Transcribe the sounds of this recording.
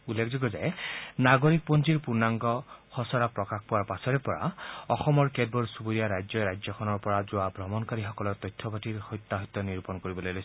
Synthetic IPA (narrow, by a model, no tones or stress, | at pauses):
ulːekzuɡɔza̰jnaɡoɹik̚ponziɹpuɹnaŋɡɔhɔsɔɹapɹɔkaxpuwaɹpasɔɹɛpɔɹa̰ɔxɔmɔɹkɛdbɔɹsubuɹijaɹajzɔɹajzɔkʰɔnɔɹpɔɹazʊwabʱɹɔmɔnkaɹixɔkɔlɔt̪ɔjtʰːɔbatiɹhɔjt̪ːaɦɔjt̪ːɔniɹpɔnkoɹibɔlojlojs